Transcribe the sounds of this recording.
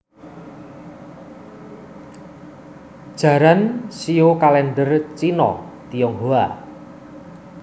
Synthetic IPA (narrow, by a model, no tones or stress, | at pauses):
d̥ʒ̥a̤ɾansiokalɛnɖərt͡ʃinɔ̰ | t̪ijɔŋɦoa